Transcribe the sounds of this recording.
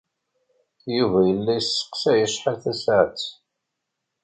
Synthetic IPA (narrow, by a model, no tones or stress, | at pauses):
juvæjəlːæjəsːə̥qsæjəʃħalθæsʕat͡sː